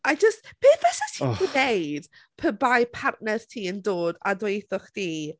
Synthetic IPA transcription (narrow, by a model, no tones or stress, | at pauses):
ajd͡ʒəstpʰeːθv̥ɛsatʰinejd̥ | pʰəbajpʰarʔnɛrtʰiːəndoːda̰dwejθʊχd̥iː